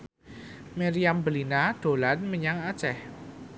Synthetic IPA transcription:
maɾiambəlinad̪̥o̤lanməɲaŋat͡ʃɛh

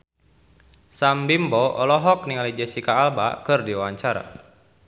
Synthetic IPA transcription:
sambimbɔɔlɔɦɔk̚niŋalid͡ʒɛsikaːlba̰kɨrdiwawaɲt͡ʃaɾa̰

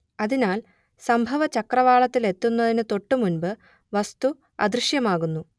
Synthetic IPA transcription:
ɐðinaːl | sɐmbʱɐʋɐt͡ɕɐkrɐʋaːɭɐt̪ːile̞t̪ːunːɐðinɨt̪o̞ʈːɨmunbɨ | ʋɐst̪u | ɐd̪riɕjɐmaːɣunːu

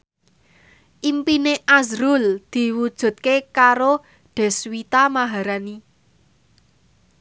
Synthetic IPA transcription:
ʔimpineʔazɾuld̪̥i̤wud̥ʒ̥ṳt̪̚kekaɾo | ɖ̪̥ɛ̤swit̪amaɦaɾani

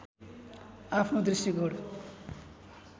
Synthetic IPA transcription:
apʰnod̪risiɡʌɽu

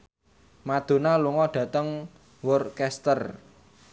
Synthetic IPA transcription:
mad̪̥o̤naluŋɔɖ̥ä̤t̪əŋ | wʊrkɛst̪ər

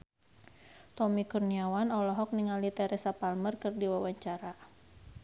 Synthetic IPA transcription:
t̪ɔmikurniawanɔlɔɦɔk̚niŋalit̪ɛɾɛsapalmərkɨrdiwawaɲt͡ʃaɾa

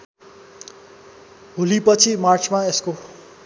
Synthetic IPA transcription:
ɦulipʌt͡sʰimart͡sʰmaesko

